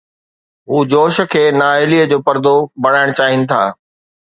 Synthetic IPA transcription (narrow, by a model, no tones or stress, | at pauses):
ɦuːd͡ʑoːʃə̆kʰeːnaːɪliːəd͡ʑoːpɐɾd̪obɐɽaːɪɽ̃t͡ɕaːɦɪnɪ̆t̪ʰa̰ː